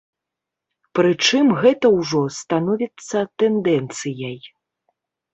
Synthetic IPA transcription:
pɾɨt͡ʂɨmɣɛt̪ɐwʐɔst̪anɔvʲit̪sːɐt̪ɛnd̪ɛnt̪sɨjɐj

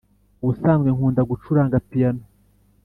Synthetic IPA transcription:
βusaːmɡeŋuːndaɡut͡ʃuɾaŋɡapijano

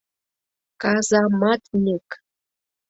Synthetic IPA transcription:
kɑzɑmɑt̪nʲek

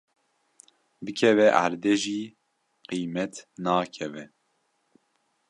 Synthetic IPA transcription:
bɨkʰɛvɛʔa̰ɾd̪ɛʒiː | qiːmɛt̪nɑːkʰɛvɛ

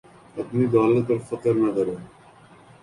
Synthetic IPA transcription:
ɐpnid̪aːlət̪̚ɐɾfɐqəɾnɐkɐɾeː

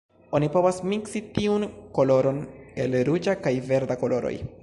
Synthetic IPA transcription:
o̞nipo̞vasmiksitiunko̞lo̞ɾo̞ne̞lɾud͡ʒakajve̞ɾd̪ako̞lo̞ɾo̰j

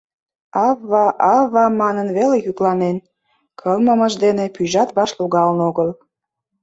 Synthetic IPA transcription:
ɑβːɑʔɑβɑmɑnənβelejyklɑnen | kʰəlməməʒd̪enepyʒɑt̪βɑʃluɣɑlənoɣəl

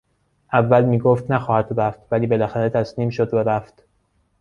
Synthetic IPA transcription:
ʔævːælmiːɡoːft̪næxɒːhæd̪̥ræft̪væliːbe̞læxæɾe̞t̪ʰæsniːmʃod̪væɾæft̪

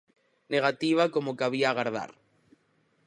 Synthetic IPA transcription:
neɣ̞at̪iβ̞akomokaβ̞iaːɣaɾð̞a̰ɾ

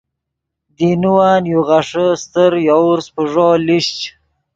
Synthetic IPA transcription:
d̪inuwaːnjuɣaʂəst̪əɾjauɾspəʐoliʃt͡ʃ

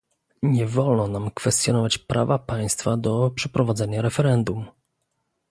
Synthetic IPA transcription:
ɲɛvɔlnɔnamkfɛst̪ʲjɔnɔvat͡ɕpɾʔa̰vapaj̃st̪fad̪ɔpʂɛpɾɔvad̪zɛɲaɾɛfɛɾɛnd̪um

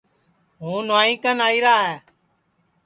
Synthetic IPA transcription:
ɦũːnʋaːĩːkənaːiːɾaːɦɛː

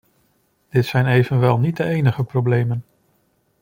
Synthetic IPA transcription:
d̥ɪtsɛjnejvənʋɛlˠnit̚dəejnəχəprowblejmən

